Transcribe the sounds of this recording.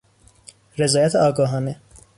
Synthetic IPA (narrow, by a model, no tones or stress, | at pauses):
ɾezɒːjæt̪ʰeɒːɡɒːɦɒːne